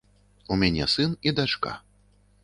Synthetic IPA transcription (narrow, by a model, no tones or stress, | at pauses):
umʲanʲɛsɨnid̪at͡ʂka̰